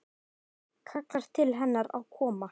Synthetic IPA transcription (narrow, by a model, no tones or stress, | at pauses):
kʰaklaɾ̥t̪ʰɪlɦɛnːaɾa̰wkʰɔːma